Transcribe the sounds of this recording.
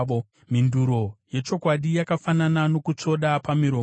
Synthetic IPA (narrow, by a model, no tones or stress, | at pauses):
o | minduɾo̞je̞t͡ʃo̞kwaɗijakafananano̞kut͡so̞ɗapamiɾo